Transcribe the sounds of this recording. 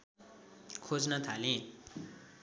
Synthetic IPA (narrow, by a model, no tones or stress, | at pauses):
kʰod͡znʌt̪ʰalẽ